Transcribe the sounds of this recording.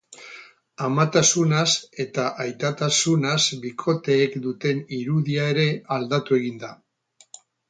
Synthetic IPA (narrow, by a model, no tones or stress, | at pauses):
amat̪asunase̞t̪aʔajt̪at̪asunazbikʰo̞t̪e̞ːkd̪ut̪e̞niɾuðiae̞ɾe̞ald̪at̪ue̞ɣ̞ind̪a